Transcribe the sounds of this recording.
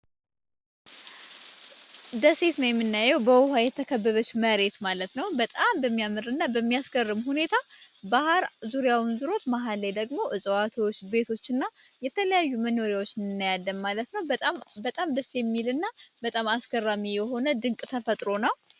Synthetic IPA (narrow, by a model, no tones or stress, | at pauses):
d̪əset̪nəwjɛmːɨnːajːɛwbəwʊhajɛt̪ʰːəkʰəbːəβət͡ʃːməɾe̞t̪malət̪nəwbət̪ʼambəmːijamɨɾɨnːabəmːijaskərːɨmhune̞t̪ʰabahaɾzuɾjawnzɨɾo̞t̪maɦalːajd̪əɡmo̞ʔɨsʼəwat̪ʰwot͡ʃːbe̞t̪ʰo̞t͡ʃːɨnːajɛt̪ʰələjajːuməno̞ɾjawot͡ʃːnɨnːajalːəmmalət̪nəwʼbət̪ʼamd̪əsjɛmːilɨnːabət̪ʼamaskʰərːamijɛɦo̞nəd̪ɨŋkʼt̪ʰəfət̪ʼɾo̞nəw